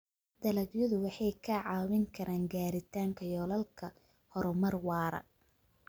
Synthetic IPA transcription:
d̪̥ɐlɐɡjɔðʊwɑħɑjkʰɐʕɑːwɪŋkʰɐɾʔaːŋɡaːɾɪt̪ʰaːŋkʰɐjɔːlɐlkʰɐ | hɔɾɔmɐrwɑːɾɐ̰

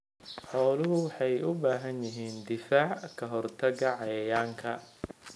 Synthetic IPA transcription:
ħɔːlʊɦʊwħɑjʔʊbaːɦɐnjɪɦiːnd̪ɪfaːʕkʰɐɦɔrt̪ʰɐɣɐʕɑjɐjaːŋkʰɐ

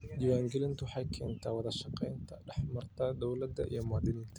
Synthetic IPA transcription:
d͡ʒɪwaːŋɡɛlɪnt̪ʰʊwħɑjkʰɛːnt̪ʰaːwɑðɐʃɑqɛjnt̪ʰɐɖɛħmɐrt̪ʰɐd̪ɔwlɐd̪ːɐ̰ʔḭjɞmaːd̪ɪnɪːnt̪ʰɐ

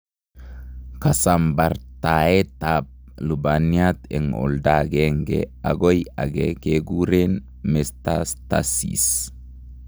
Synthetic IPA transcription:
kasambaɾt̪aet̪ap̚ | lubaniat̪ɛŋɔ̰ldaɡɛŋɡɛ̰aɡoja̰ɡɛkeɡuɾen | mɛst̪ast̪a̰sḭs

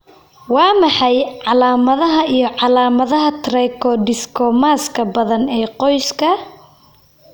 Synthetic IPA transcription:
wɑːmɑħɑjʕɑlaːmɐðɐɦɐʔijɞʕɑlaːmɐðɐɦɐt̪ʰrɛkʰɔɖɪskʰɔmaːskʰɐbɐðɐnɛːqɔjskʰɐ

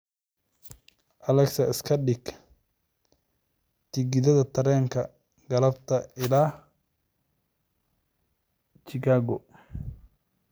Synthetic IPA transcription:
ʔɐlɛksɐɪskʰɐɗɪɡ | t̪ʰɪɡɪðɐðɐt̪ʰɐɾɛːŋkʰɐ | ɡɐlɐbt̪ʰɐɪlaːh | t͡ʃɪkʰaːɡɔ

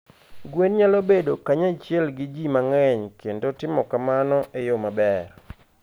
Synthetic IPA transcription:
ɡwenɲalobedokaɲat͡ʃjɛlɡɪd͡ʒimaŋɛɲkendotɪmɔkamanɔʔejomabɛr

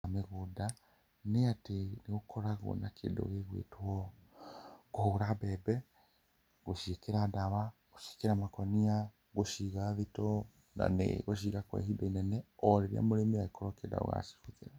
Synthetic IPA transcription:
ameɣuda | neateneɣokʰoɾaɣo̰nakʰḛdo̰ɣeɣwḛtwɔ | kohouɾabɛbɛ | ɣoʃekeɾadaβa | ɣoʃe̥keɾamakɔnia | ɣoʃiɣaβitɔ | na̰nḛɣoʃ̬iɣakwa̰hidainɛnɛɔɾeɾja̰moɾemiaɣekʰɔɾɔkeda̰o̰ɣa̰ʃi̥ʃut͡seɾa

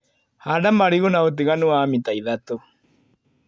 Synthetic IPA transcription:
hadamaɾiɣonaot̬iɣanuaːmitaiðato

